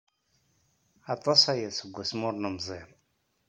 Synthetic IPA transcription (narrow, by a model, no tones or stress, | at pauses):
ɑt̪ˤːɑsæjæsəɡʷːæsmʊɾˤnəmzˤiɾˤ